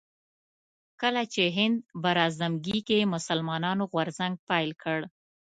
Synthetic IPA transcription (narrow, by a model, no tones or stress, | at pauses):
kəlat͡ʃeɦɪnd̪̚baɾɑzamɡikemʊsəlmɑnɑnoɣwaɾzaŋɡ̚pɑjlkʰəɽ